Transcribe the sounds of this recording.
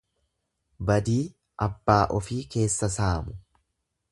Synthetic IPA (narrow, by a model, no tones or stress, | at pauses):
bɐd̪iː | ʔɐbːaːʔɔfiːke̞ːsːɐsaːmʊ